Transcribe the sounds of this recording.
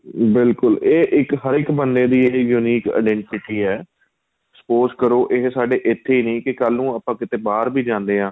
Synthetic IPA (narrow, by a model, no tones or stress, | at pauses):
bɪlkʊleːʔɪkɦəɾɪkbənd̪eːd̪iːeːjuːniːka̰ɪɖɛ̃ːɳʈɪʈiːɛː | ksə̥poːzkəɾoːʔɪɦsaːɖeːʔɪt̪ʰːeːiːnĩːkɪkəlnũːəpãːkɪt̪eːbaːɾbiːd͡ʒãːnd̪eːãː